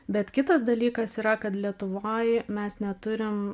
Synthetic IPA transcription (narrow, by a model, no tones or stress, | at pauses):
bʲɛt̪kʲɪt̪ɐsd̪ɐlʲiːkɐsiːɾɐkɐt̪lʲiɛt̪ʊʋoːjmʲɛsnʲɛt̪ʊɾʲɪm